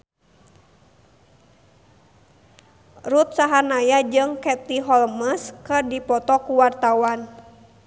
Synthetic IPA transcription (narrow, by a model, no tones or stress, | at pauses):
rut̪̚saɦanajad͡ʒɨŋkɛt̪iɦɔlməskɨrdipɔt̪ɔkuwart̪awan